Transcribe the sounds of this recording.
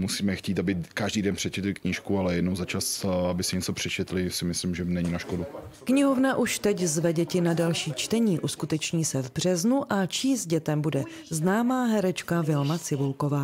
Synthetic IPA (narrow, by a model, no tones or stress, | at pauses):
musiːmɛxciːt̪abɪkaʒdiːdɛnpr̥ɛt͡ʃɛt̪lɪkɲiʃkualɛjɛdnowzat͡ʃasabɪsɪɲɛt͡sopr̝̥ɛt͡ʃɛt̪lɪsɪmɪslimʒɛnɛɲinaʃkodukɲɪɦo̞vnaʔuʃt̪ɛczvɛɟɛcɪnadalʃiːt͡ʃt̪ɛɲiːʔuskut̪ɛt͡ʃɲiːsɛvbr̝̥ɛznuʔat͡ʃiːsɟɛt̪ɛmbudɛ | znaːmaːɦɛɾɛt͡ʃkavɪlmat͡sɪvulkovaː